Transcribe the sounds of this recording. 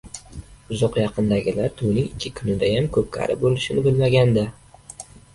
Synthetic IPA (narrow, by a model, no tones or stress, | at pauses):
ʊzɒqjɑqʰɨnd̪aɡʲɪlaɾt̪ʰʊwnɪŋɪkʲʰːɪkʰʊnɪd̪ajamkʰɵp̚kʲʰa̰ɾʔɪ̰p̚bolɪʃɪnɪbɪlmaɡʲand̪a